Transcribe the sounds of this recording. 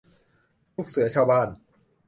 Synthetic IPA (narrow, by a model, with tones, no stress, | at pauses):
luː˥˩k̚sɯ˩˦ɐt͡ɕʰaː˧wbaː˥˩n